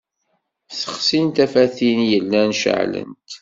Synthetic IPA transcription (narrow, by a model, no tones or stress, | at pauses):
θə̥χsint̪æfæθinjəlːænʃə̰ʕlə̰nt̪